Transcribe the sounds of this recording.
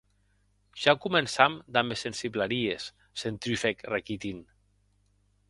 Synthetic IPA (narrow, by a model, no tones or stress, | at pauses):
ʒ̥akumensamd̪amesensiβlaɾiesː | ent̪ɾyfekrekit̪in